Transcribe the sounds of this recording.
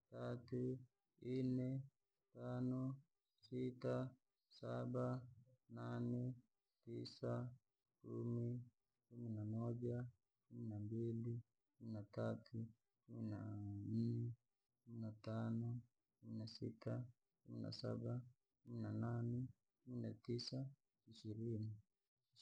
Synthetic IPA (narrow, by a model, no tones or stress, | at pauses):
tatu | inɛ | tanɔ | sita | sabananɛ | tisa | kumi | kuminamɔd͡ʒa | kuminambili | kuminatatʰu | kuminan̩nɛ | kuminatanɔ | kuminasḭta | kumina̰sa̰ba | kuminananɛ | kuminatisa | iʃiɾini